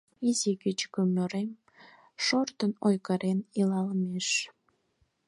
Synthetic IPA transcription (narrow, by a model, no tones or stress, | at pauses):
izikit͡ɕkømøɾem | ʃort̪ənojkəɾenilɑlmeʃ